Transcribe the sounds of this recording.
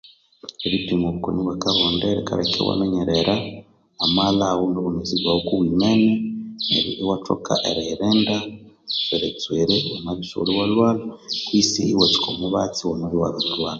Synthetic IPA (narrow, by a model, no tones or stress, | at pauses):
eβitiŋɡoβukoniβwekaɾoːndaɾika̰ɾekḛwa̰neɲeɾeɾaː | malawunoβuneziɡwawokuβwiːmenenḛɾḭʔewato̰ka̰ʔeɾeːɾeːnda | eɾet͡sweːɾeomaβuso̰lowalwaːlakwiːsiiwot͡si̥kʰomuβat͡siwonoβiwaloβilwaːna